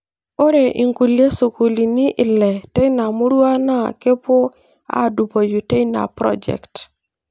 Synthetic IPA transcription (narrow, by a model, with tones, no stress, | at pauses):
o˦ɾe˨ʔi˨ŋku˨le˦su˨ku˨li˨ni˦ʔɪ˨lːɛ˨te˦i˦na˨mu˦ɾu˦a˦na˦˨ke˦po˦ | a̰˦˨du˨bo˨ju˨te˦na̰˨pɾɔ̰˦d͡ʒɛ̰˨kt